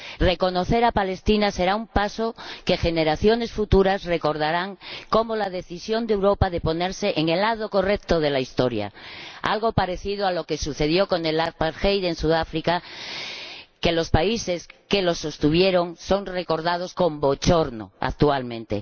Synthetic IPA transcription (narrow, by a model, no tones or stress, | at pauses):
re̞ko̞no̞θe̞ɾapale̞st̪inase̞ɾaumpaso̞ke̞xe̞ne̞ɾaθjo̞ne̞sfut̪uɾazre̞ko̞ɾð̞aɾaŋko̞mo̞lað̞e̞θisjo̞nd̪ewɾo̞paðe̞po̞ne̞ɾse̞ʔeŋe̞lːað̞o̞ko̞rekt̪o̞ð̞e̞laist̪o̞ɾja̰a̰lɣ̞o̞paɾe̞θið̞oaloke̞suθe̞ðjo̞ko̞ne̞laðpaɾxejðensuðafɾika | kelo̞spaise̞ske̞lo̞sːo̞st̪uβje̞ɾo̞ŋso̞ŋre̞ko̞ɾð̞að̞o̞sko̞mbo̞t͡ʃo̞ɾno̞̰a̰k̚t̪ualmẽ̞nt̪e̞̰